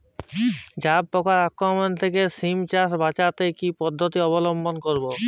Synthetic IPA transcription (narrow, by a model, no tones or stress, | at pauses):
d͡ʑab̚pɔkaɾakːomont̪ʰekesimt͡ɕasbat͡ɕat̪ekipɔd̪ʱːot̪iɔβolombonkoɾbo